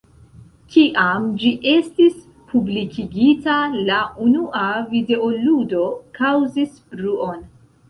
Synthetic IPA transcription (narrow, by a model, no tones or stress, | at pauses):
kiʔamd͡ʒiʔe̞stis | pʰublikʰiɡitalaunuavide̞oludo̞kʰawzisbɾuo̞n